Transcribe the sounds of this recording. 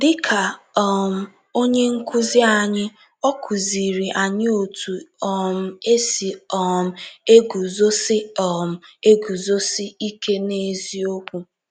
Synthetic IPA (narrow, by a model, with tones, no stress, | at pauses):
dɪ˦kʰa˨ɔ˨m̩˦ | o˦ɲe˦ŋ̩˦ku˦zɪ˦a˨ɲɪ˦ | ɔ˦kʰu˨zi˨ɾi˨ʔa˨ɲɪ˦o˨tu˨ɔ˨m̩˦e˦si˨ɔ˨m̩˨˦e˦ɡu˨zo˦sɪ˦ɔ˨m̩˦e˦ɡu˨zo˦sɪ˦i˦ke˦ne˦zi˦o˦kʷu˦